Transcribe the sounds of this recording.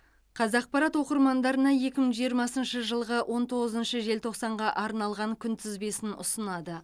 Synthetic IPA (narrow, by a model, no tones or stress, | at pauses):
qʰɑzɑq̚pɑɾɑt̪wo̞qəɾmɑnd̪ɑɾənɑje̞kʲɪməɴʒijəɾmɑsənʃəʒəlˠʁəwʔo̞nt̪ʰo̞ʁəzənʃəʒe̞lt̪ʰo̞qsɑɴʁɑʔɑɾnɑlˠʁɑŋkʲʰʏnt̪ʰɪzbe̞sɪnʊ̰sənɑd̪ə